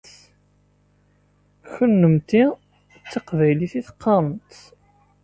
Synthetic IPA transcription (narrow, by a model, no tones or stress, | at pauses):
çənːəmt̪i | t͡sːɑqvæjliθiθqːɑmət̪